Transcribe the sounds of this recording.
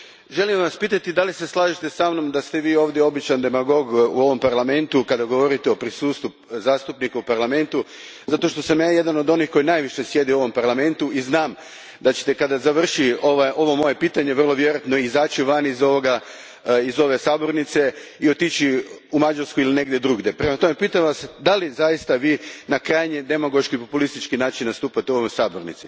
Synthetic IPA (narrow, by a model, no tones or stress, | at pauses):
ʒe̞limʋaspiːt̪at̪id̪alise̞slˠaːʒit̪esamno̞md̪ast̪e̞ʋiːo̞ːʋd̪jeo̞bit͡ʃand̪e̞maɡo̞ɡuo̞ʋo̞mpaɾlˠame̞nt̪ukad̪aɡo̞ʋo̞ɾit̪eo̞pɾisuːst̪ʋu | zaːst̪upnikaupaɾlˠame̞nt̪u | zat̪o̞ʃt̪o̞samjaːje̞d̪ano̞d̪o̞nixko̞jinajʋiʃe̞sje̞d̪iuoʋo̞mpaɾlˠame̞nt̪uiznaːm | d̪at͡ɕe̥t̪e̞kad̪azaʋr̩ʃio̞ʋajʔo̞ʋo̞mo̞je̞piːt̪aɲeʋrlˠo̞ʋje̞ɾojat̪no̞izaːt͡ʃiʋanizo̞ʋo̞ɡa | izo̞ʋe̞saːbo̞ɾnit̪se̞io̞t̪it͡ɕi | umad͡ʒaɾskuiline̞ɡd̪jed̪ɾuɡd̪e̞pɾe̞mat̪o̞me̞piːt̪amʋasd̪alizajist̪aʋiːnakɾajɲed̪emoɡo̞ʃkipo̞pulist̪it͡ʃkinaːt͡ʃinnast̪uːpat̪eo̞ʋo̞jsaːboɾnḭt̪si